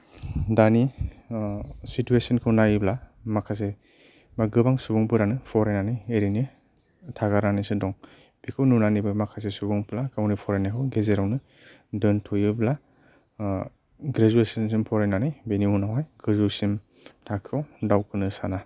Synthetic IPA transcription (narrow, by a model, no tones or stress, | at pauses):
dani | situesɔnkʰɯwnajiblamakʰas̬e | maɡɯbaŋsubɔŋpɯɾanɯpʰɔɾenanijeɾine | tʰaɡaɾanijsɯdɔŋ | bikʰɯwnunanijbɯmakʰas̬esubuŋpɯlakawnipʰɔɾenakʰɯwɡezeɾawnɯ | dɯntʰojɯbla | ɡɾezuesɯnsimpʰɔɾejnanɯjbeniunawajɡɯzusim | tʰakʰawdawkʰɯnɯsana